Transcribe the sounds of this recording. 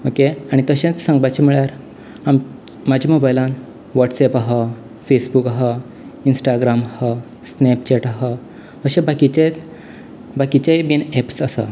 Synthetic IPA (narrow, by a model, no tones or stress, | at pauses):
okeaɽ̃it̪əɕẽt͡ssə̃ŋɡbat͡ɕimiɭjaɾ | am | mad͡ʑʱimobajlãn | ʋaʈsepaɦɔ | fesbukaɦə | insʈaɡɾamhə | snept͡ɕeʈaɦə | əɕẽbakit͡ɕe | bakit͡ɕejbinepsəsa̰